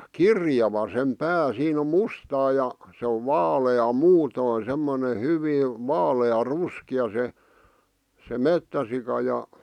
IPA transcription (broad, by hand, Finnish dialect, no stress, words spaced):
kirjɑʋɑ sem pæː siːn om̆ mustɑː jɑ se oʋ ʋɑːleɑ muːtoˑĭn̞ semːone hyʋiː ʋɑːleɑ ruskiɑ se se metːæsikɑ jɑ